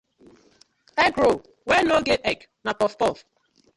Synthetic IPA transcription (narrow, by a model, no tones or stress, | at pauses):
ɛɡɾo | wɛnoɡeɛk | napɔstɔf